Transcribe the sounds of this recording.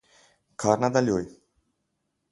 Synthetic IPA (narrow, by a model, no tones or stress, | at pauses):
kʰaɾnad̪alʲuj